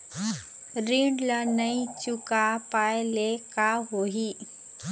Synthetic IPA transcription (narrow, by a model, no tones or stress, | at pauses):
ɾiɳɖlənəit͡ɕukapajlekaɦoɦi